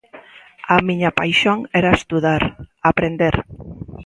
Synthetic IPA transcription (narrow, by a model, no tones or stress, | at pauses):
amĩɲapajʃoŋɛɾaest̪uðaɾapɾend̪eɾ